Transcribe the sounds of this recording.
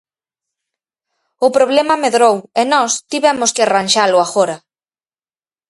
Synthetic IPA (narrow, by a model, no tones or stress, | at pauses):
ʊpɾoβlɛmɐmeðɾowenɔst̪iβɛmʊskɪranʲʃalʊaɣoɾɐ